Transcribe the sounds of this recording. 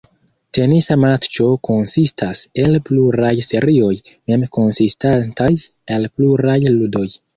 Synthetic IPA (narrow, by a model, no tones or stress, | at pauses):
te̞nisamat͡ʃo̞ko̞nsistʰase̞lpluɾajse̞ɾio̞jme̞mko̞nsistantaj | elpluɾajludo̞j